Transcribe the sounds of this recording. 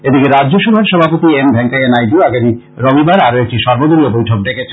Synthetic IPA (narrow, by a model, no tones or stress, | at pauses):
ed̪ikeɾadd͡ʑoʃubʱaɾʃɔbʱapot̪iembʱɛŋkaenajɖioaɡami | ɾomibaɾaɾoek̚ʈiʃɔɾbod̪oɾiobojʈʰok̚ɖekʰet͡ɕʰe